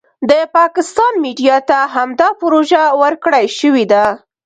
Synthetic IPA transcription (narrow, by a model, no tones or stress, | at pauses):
d̪əpɑkɪst̪ɑnmiɖijɑt̪aɦamd̪ɑpʊɾoʒawəɾkɽəjʃəwid̪a